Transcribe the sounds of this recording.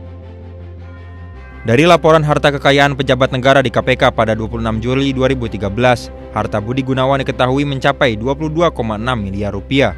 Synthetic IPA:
daɾilapoɾanɦart̪akəkajaʔanpəd͡ʒabat̪̚nəɡaɾadikapekapadaduapuluənamd͡ʒuliduaɾibut̪iɡabəlas | ha̰rt̪abudiɡunawandikət̪aɦuiməɲt͡ʃapajduapuluhduakomaənamːiliarupia

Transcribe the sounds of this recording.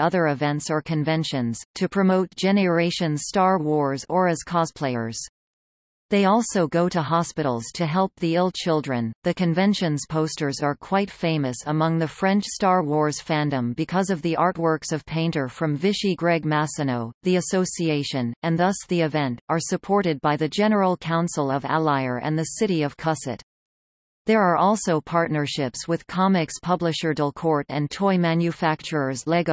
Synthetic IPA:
ʌðə˞ɨvɛ̃ntsə˞kʰɨ̃ɱvɛ̃nʃɨ̃nz̥tʰɨpʰɹ̥ɨmoʊt̚d̥ʒ̥ɛnə˞eɪʃɨ̃nstɑɹwɔɹzə˞ɨz̥kʰɔz̥pʰl̥eɪə̰˞z̥ | ðeɪɔlˠsoʊɡoʊɾɨɦɑspɨɾl̩ˠz̥tʰɨɦɛlˠp̚ðiɪlˠt͡ʃʰɪlˠdɹɨ̰̃nðɨkɨ̃ɱvɛ̃nʃɨ̃nz̥pʰoʊstə˞zə˞kʰw̥aɪtfẽɪ̃mɨsəmʌ̃ŋðɨfɹɛ̃nt͡ʃstɑɹwɔɹz̥fæ̃ndə̃mbɨkʰʌzʌvðiʔɑɹt̚wɜ˞ksʌv̥pʰẽɪ̃ntə˞fɹʌ̃mvɪʃiɡɹɛɡ̚mæsɨnoʊðiɨsoʊsieɪʃɨ̃nɨ̃nðʌsðiɨvɛ̃ntə˞sɨpʰɔɹɾɨd̚baɪðɨd͡ʒɛnə˞l̩ˠkʰãʊ̃nsl̩ˠʌvæ̰lˠaɪə˞ʔɨ̰̃nðɨsɪɾiʌv̥kʰʌsɨ̰t | ðə˞ə˞ʔɔlˠsoʊpʰɑɹtⁿnə˞ʃɪpswɨð̥kʰɑmɨkspʰʌblɨʃə˞dɪlˠkʰɔɹɾɨ̃ntʰɔɪmæ̃njɨfæk̚t͡ʃə˞ə˞zlɛɡ

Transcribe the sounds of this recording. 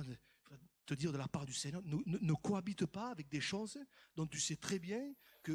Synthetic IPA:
ifoʁt̪əd̪iʁd̪əlapaʁd̪ysɛɲœʁnənənəkoabit̪paːvɛk̚d̪eʃɑ̃sd̪ɔ̃k̚t̪ysɛt̪χɛbjɛ̃kə

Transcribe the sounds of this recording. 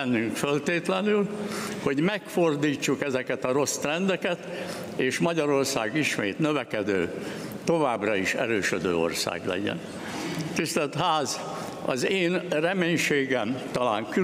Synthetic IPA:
nːyŋkfølt̪eːt̪lɛnylho̞ɟmɛkfo̞rd̪iːt͡ʃːukɛzɛkɛt̪ɒɾo̞st̪rɛnd̪ɛkɛt̪ | eːʃmɒɟɒɾo̞rsaːɡiʃmḛːt̪nøvɛkɛd̪ø̰ː | t̪o̞vaːbrɒiʃɛ̰ɾøːʃød̪ø̰ːo̰rsa̰ːɡlɛ̰ɟɛ̰n | t̪ist̪ɛlt̪ɦaːz | ɒ̰zeːnrɛmeːɲʃeːɡɛmt̪ɒla̰ːŋky

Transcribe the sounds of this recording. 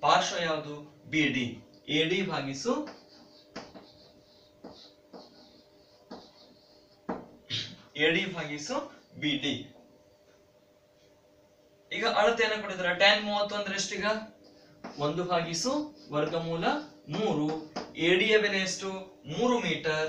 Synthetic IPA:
paːɾʃɐjaːʋd̪ubiːɖieːɽiːbʱaːɡisu | eːɽiːbʱaːɡisubiːɖi | iːɡɐʔɐɭɐt̪eːnːɐkoɽid̪ɐɾɐʈaːnmuːʋɐt̪ːond̪uɾɐsʈuiːɡɐ | ond̪ubʱaːɡisuʋɐɾɡɐmuːlɐmuːɾueːɽijɐbeleɐsʈumuːɾumiːʈɐɾ

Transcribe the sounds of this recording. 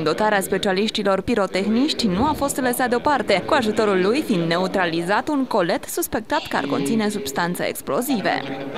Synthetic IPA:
nd̪o̞t̪aɾeaspe̞t͡ʃialiʃt̪ilo̞rpiɾo̞t̪exniʃt̪ʲnuafo̞st̪ləsat̪̚d̪eo̞part̪e̞kuaʒut̪o̞ɾulːujfind̪ne̞ut̪ɾalizat̪uŋko̞le̞t̪suspe̞k̚t̪at̪kəa̰rko̞nt̪sine̞s̬ubst̪ant̪sḛḛksplo̞̰zivḛ

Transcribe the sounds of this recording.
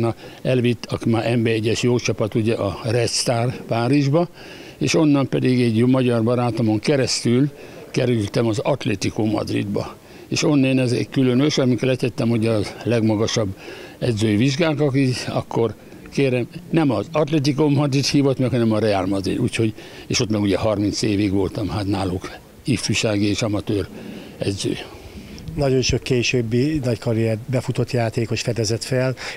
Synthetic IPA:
nɒɛlʋit̪ːɒkimaːɾʔɛmbɛɛɟːɛʃjoːt͡ʃɒpɒt̪uɟɛʔɒrɛst̪aːrpaːɾiʒbɒ | eːʃo̞nːɒmpɛd̪iɡɛɟmɒɟɒrbɒɾaːt̪omoŋkɛɾɛst̪ylkɛɾylt̪ɛmɒzɒt̪let̪ikomɒ̰d̪rḭd̪bɒ̰ | ḛːʃo̞nːeːnɛzɛ̰kylønøʃɒmikolɛt̪ɛt̪ːɛmoɟɒlɛɡmɒɡɒʃɒbːɛd̪zøːjiviʒɡaːŋkɒkiɒ̰kːo̞r | keːɾɛmnɛmɒzɒt̪lɛt̪̬ikomːɒd̪rit̪hiːvɒt̪nɑkhɒnɛmɒɾɛaːlmɒd̪rḭd̪uːcho̞ɟ | eːʃo̞t̪mɛɡuɟɛhɒrminseːviɡʋo̞lt̪ɒmhat̪naːluk | ifːyʃaːɡieːʃɒmɒt̪øːr | ɛd̪zø̰ː | nɒɟo̞nʃo̞kːeːʃøːbːinɒckɒɾiɛrbɛfut̪o̞t̪jaːt̪eːko̞ʃfɛd̪ɛzɛt̪fɛl

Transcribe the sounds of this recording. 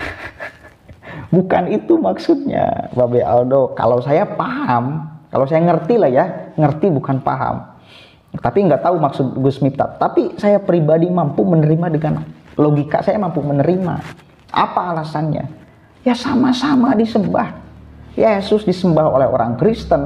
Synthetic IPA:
bukanit̪umaksʊt̪̚ɲa̰babeʔa̰ldoka̰lawsajapaɦamka̰lawsajaŋərt̪ilahjaŋərt̪ibukanpa̰ɦa̰m | t̪apiəŋɡaʔt̪aumaksʊt̪̚ɡʊsmip̚t̪a̰t̪ːapisajapɾibadimampumənəɾimadəŋanloɡika̰sajamampumənəɾima̰ | ʔa̰paːlasanɲa̰ | jasamasamadisəmbahjasʊsdisəmbaɦo̰lɛho̰ɾaŋkɾist̪ən

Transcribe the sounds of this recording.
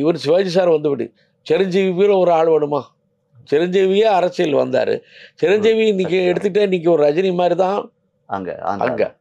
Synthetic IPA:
ɪʋɐɾɯsɪʋaːd͡ʒis̬aːɾʋɐnd̪ɯpːɐɽḭ | t͡ʃɛɾɐɲd͡ʒeʋip̬iːlɐɔɾɯaːɭʋɐɽɯmaː | t͡ʃɪɾɐɲd͡ʒeʋijeːɐɾɐt͡ʃːɐjɪlʋɐ̰nd̪a̰ːɾɯ̰t͡ʃɪɾɐɲd͡ʒeːʋiniːkːɯɛɽɯt̪ːɯʈ̬ːaːniːŋɡɯɔɾɯɾɐd͡ʒɐnɪmaːɾit̪ãː | ŋɡɐ̰ʔɐ̰ŋɡɐ̰

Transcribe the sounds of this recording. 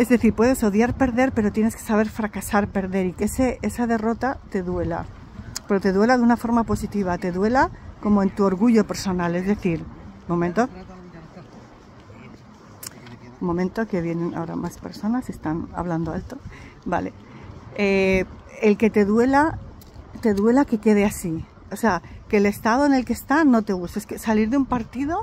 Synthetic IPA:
e̞zðe̞θiɾpwe̞ð̞e̞so̞ðjaɾpe̞ɾðe̞ɾpe̞ɾo̞t̪je̞ne̞ske̥saβ̞e̞ɾfɾakasaɾpe̞ɾðe̞ɾikeseʔesaðe̞ro̞t̪at̪e̞ðwe̞la̰ | peɾot̪e̞ðwe̞laðeunafo̞ɾmapo̞sit̪iβ̞at̪e̞ðwe̞lako̞mo̞e̞nt̪uo̞ɾɣuʝo̞pe̞ɾso̞nale̞zðe̞θiɾmõ̞ment̪o | mo̞mẽnt̪oke̞βje̞nena̰o̞ɾa̰maspe̞ɾso̞nase̞st̪ana̰βland̪oalt̪o̞ba̰le̞̰ | e | elke̞t̪e̞ðwe̞la | t̪e̞ðwe̞lake̞ke̞ð̞easi | oseake̞ːle̞st̪að̞oene̞lkest̪ano̞t̪e̞ɣust̪eskesaliɾðeumpaɾt̪iðo̞

